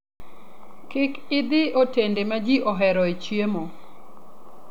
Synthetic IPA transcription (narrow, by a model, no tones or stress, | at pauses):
kɪkɪd̪ɪotendemad͡ʒiʔɔɦɛɾɔet͡ʃjemo